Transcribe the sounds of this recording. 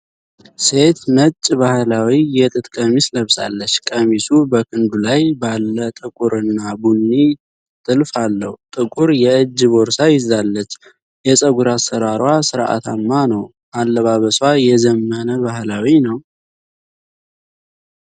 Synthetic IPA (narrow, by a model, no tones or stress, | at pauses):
se̞t̪nət͡ʃʼːbahlawijɛt̪ʼɨt̪ʼkʼəmisləβsa̰lːət͡ʃːkʼəmisubəkʰɨnd̪ulajbalːət̪ʼɨkʼuɾɨnːabunːi | t̪ʼɨlfalːəhut̪ʼɨkʼuɾjɛɨd͡ʒːɨβoɾsajɪzd̪alːət͡ʃː | jɛsʼəɡuɾasəɾaɾwasɨɾʔa̰t̪ʰamːanəw | ʔalːəβaβəswajɛzəmːənəβahlawinəw